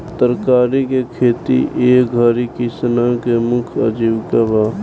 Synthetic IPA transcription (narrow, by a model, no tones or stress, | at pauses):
t̪əɾkaːɾikekʰeːt̪ḭʔeːɡʱaɾikɪsnakemʊkʰəd͡ʒiʋkabaː